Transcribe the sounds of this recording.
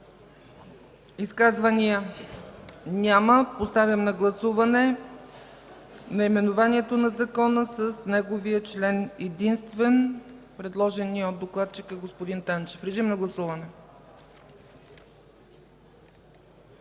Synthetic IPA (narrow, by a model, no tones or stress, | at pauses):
iskazvəniə | nʲaməpost̪avʲjəmnɐɡlˠɐsuvɐnɛ | nɐimɛnʊvaniɛt̪onɐzɐkɔnəsəsnɛɡoviət͡ʃlɛnɛd̪inst̪vɛnpɾɛd̪lˠɔʒɛniod̪ːoklˠat̪t͡ʃikəɡospod̪int̪ant͡ʃɛfɾɛʒimnɐɡlˠɐsuvənɛ